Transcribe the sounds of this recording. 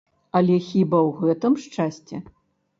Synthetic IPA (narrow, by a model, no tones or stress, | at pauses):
ɐlʲɛxʲibɐwɣɛt̪ɨmʂt͡ʂasʲt͡sʲɛ̰